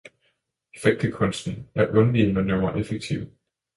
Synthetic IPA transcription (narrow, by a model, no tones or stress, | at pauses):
efeɡ̥̚d̥əkʰɔ̽nsd̥n̩æɐʔɔ̽nʋiːnɒnøʊmɐʔefeɡ̥̚t͡sʰiʊ